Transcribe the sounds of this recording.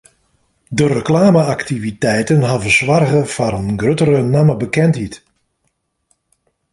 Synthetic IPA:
dərəklaːməaktivitɛjtənɦavəswarɣəfaɾənɡrøtəɾənaməbəkɛnthɦit

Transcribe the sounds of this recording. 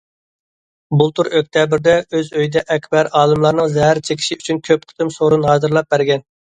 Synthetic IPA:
bulˠt̪ʰuɾøk̚ʲt̪ʰɛbɪɾd̪ɛøzøjd̪ɛʔɛkʲbɛɾɑːlˠɨmlˠɑɾnɨŋzɛɦæɾt͡ʃʰekʲʰi̥ʃiyt͡ʃʰynkʲʰøp̚qʰə̥t̪ʰɨmsoɾunɦɑːzɨɾlˠɑp̚bæɾɡʲɛn

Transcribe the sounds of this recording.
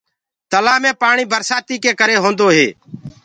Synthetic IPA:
t̪əlaːmẽːpaːɳiːbʱəɾsaːt̪iːkeːkəɾeːɦõːnd̪oːɦḛː

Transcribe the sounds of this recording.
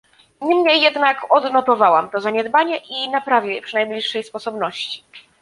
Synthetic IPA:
ɲimɲejːɛd̪nakɔd̪nɔt̪ɔvawamt̪ɔzaɲɛd̪baɲɛʔinapɾavʲjɛpʂɨnajblʲiʂːɛjspɔsɔbnɔɕt͡ɕi̥

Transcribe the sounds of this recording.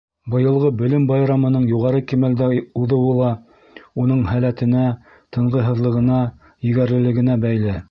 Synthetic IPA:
bɤ̆jɤ̆lˠʁɤbɵ̆lɘmbɑjɾɑmɤ̆nɤɴjuʁɑɾɤkimæld̪æuðɤ̆wɤlˠɑ | un̪ɤɴhælæt̪ɘ̆næ | t̪ʰɤ̆ɴʁɤɦɤ̆ðlˠɤ̆ʁɤ̆nɑ | jɘ̆ɡæɾlɘ̆lɘ̆ɡɘ̆næbæjlɘ

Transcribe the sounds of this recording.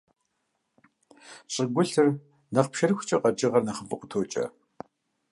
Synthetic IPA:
ɕʼɪɡʷʊɬɨr | nɐχpʃɐrxʷʊt͡ʃʼɐqʼɐd͡ʒʼɪʁɐrnɐχəmpʼɨqʷʊtʰoːt͡ʃʼɐ̰

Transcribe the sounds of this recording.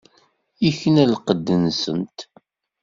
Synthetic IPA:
içənælqəd̪ːənsənt̪

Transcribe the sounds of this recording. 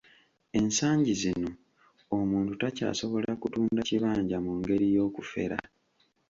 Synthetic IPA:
e̞nsaːɲɟizino̞ | omuːntutaca̰ːso̞βo̞lakutuːndaciβaːɲɟamuŋɡe̞ɾijo̞ːkufe̞̰ɾa̰

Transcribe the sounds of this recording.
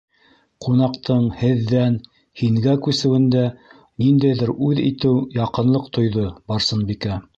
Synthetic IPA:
qunɑqt̪ɤɴhɘ̆ðːæn | hiŋɡækʉsɘ̆wɘ̆nd̪æ | nind̪æjðɘɾʉðḭt̪ɘwjɑqɤ̆nlˠɤqt̪ŏjðobɑɾsɤnbikæ

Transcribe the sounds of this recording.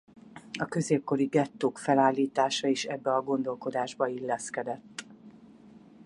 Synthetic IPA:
ɒkø̞zeːp̚ko̞ɾiɡɛt̪ːoːkfɛlaːlːiːt̪aːʃɒiʃɛbːɛɒɡo̞nd̪o̞lko̞d̪aːʒbɒilːɛskɛd̪ɛt̪ː

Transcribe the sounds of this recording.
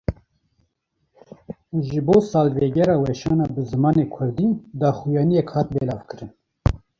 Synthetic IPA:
ʒɨboːsɑːlveɡɛɾɑːwɛʃɑːnɑːbɨzɨmɑːnekʷʰʊɾd̪id̪ɑːxujɑːnijɛkhɑːt̪̚belɑːvkʰɨɾɨn

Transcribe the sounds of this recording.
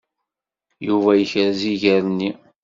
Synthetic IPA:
juvæjəçɾziʝəɾnːi

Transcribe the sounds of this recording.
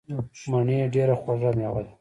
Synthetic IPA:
maɳeɖeɾaxaʐamewad̪a

